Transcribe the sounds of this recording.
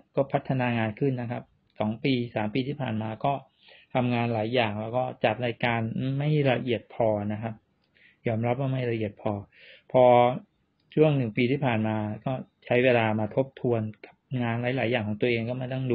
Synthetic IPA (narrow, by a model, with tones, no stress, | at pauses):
kɔː˥˩pʰa˦˥t̪ʰːa˧naː˧ŋaː˧nkʰɯ˥˩nːa˦˥kʰa˦˥p̚ | sɔː˩˦ŋpiː˧saː˩˦mpiː˧t̪ʰiː˥˩pʰa̰ː˨˩nmaː˧kɔː˥˩ | t̪ʰa˧mŋaː˧nlaː˩˦jːaː˨˩ŋlɛː˦˥wkɔː˥˩t͡ɕa˨˩p̪̚na˧jkaː˧nma˥˩jɾa˧ʔi˨˩ət̪̚pʰɔː˧na˦˥kʰa˦˥p̚ | jɔː˧mɾa˦˥p̚waː˥˩ma˥˩jɾa˧ʔi˨˩ət̪̚pʰɔː˧ | pʰɔː˧ | t͡ɕʰu˥˩əŋnɯ˨˩ŋpiː˧t̪ʰiː˥˩pʰaː˨˩nmaː˧kɔː˥˩t͡ɕʰa˦˥jweː˧laː˧maː˧t̪ʰo˦˥p̚t̪ʰu˧ənka˨˩p̚ŋaː˧nlaː˨˩˦jlaː˩˦jaː˨˩ŋkɔ˩˦ŋt̪u˧əʔeː˧ŋkɔː˥˩ma˥˩t̪ɔ˥˩ŋduː˧